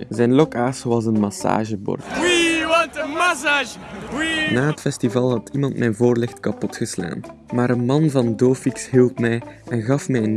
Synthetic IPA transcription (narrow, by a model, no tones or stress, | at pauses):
əzɛjnlɔkaːswɑzənmɑsa̰ːʒəbɔ̰rtwi | sa | naːɦətfɛstivɑlˠɦɑtʰimɑntmɛjnvoːrlɪxtkɑpɔtxəsla̰ːnmaːɾənmɑnvɑndoːfiksɦilˠpmɛjʔɛnɣɑfmɛjən